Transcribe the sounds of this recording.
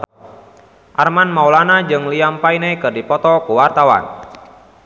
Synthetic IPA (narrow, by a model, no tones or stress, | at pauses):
ʔarmanmawlanad͡ʒɨŋliampainekɨrdipɔt̪ɔkuwart̪awa̰n